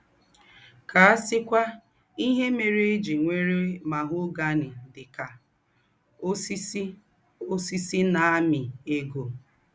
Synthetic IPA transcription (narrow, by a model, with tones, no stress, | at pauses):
ka˨a˦sɪ˦kʷa˦ | i˦ɦe˦me˨ɾe˦e˦d͡ʒi˨ŋʷe˦ɾe˦ma˨ɦʊ˦ɡa˦nɪ˨dɪ˨ka˨˦ | o˦si˦si˦na˨a˦mɪ˨e˦ɡo˨